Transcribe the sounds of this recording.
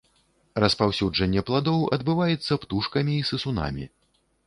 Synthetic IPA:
rɐspawsʲud͡ʐɐnʲːɛplˠad̪ɔwɐ̰d̪bɨvajɛt̪sːɐpt̪uʂkɐmʲiːsɨsuna̰mʲḭ

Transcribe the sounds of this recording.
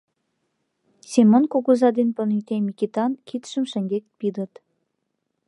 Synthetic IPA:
sʲemonkoɡuzɑd̪enpə̆nyjt̪emʲikʲit̪ɑnkʰit̪ʃə̆mʃə̆ŋɡʲek̚pid̪ə̆t̪

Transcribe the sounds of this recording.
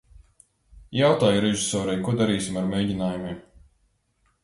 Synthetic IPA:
jawt̪aːjuɾɛʒisɔːɾajkuɔd̪aɾiːsʲimaɾmʲejɟinaːjumʲiːm

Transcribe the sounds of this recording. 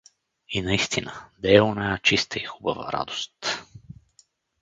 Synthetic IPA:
inɐist̪inəd̪ɛɛonajat͡ʃist̪əixubəvə̰ɾa̰d̪o̥st̪

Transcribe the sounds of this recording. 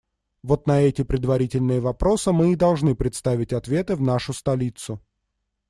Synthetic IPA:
vo̞t̪nɐɛtʲɪpɾʲɪd̪vɐɾʲitʲɪlʲnɨjəvɐpɾo̞sɨmɨːd̪ɐlˠʐnɨpɾʲɪt̪st̪avʲɪtʲɐt̪vʲe̞t̪ɨvnaʂʊst̪ɐlʲit̪sʊ

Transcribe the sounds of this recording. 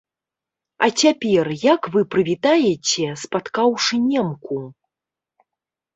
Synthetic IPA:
ɐ̰t͡sʲapʲɛrjakvɨpɾɨvʲit̪ajɛt͡sʲɛspat̪kawʂɨnʲɛmku

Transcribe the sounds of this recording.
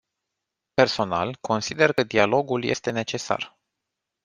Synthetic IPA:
pe̞rso̞na̰lkʰo̞nsid̪e̞rkəd̪ialo̞ɡulje̞̰st̪e̞ne̞t͡ʃe̞sa̰r

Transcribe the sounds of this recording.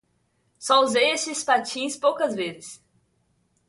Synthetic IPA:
sɔzesɪspat͡ʃĩspowkɐzvezɪs

